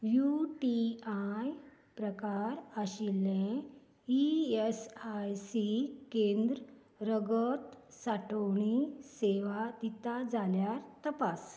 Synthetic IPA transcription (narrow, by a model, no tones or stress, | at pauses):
juʈiaj | pɾəkaɾaɕilːẽ | iesajsikend̪ɾə | ɾəɡət̪saʈəwɳiseʋad̪it̪ad͡zaljaɾt̪əpas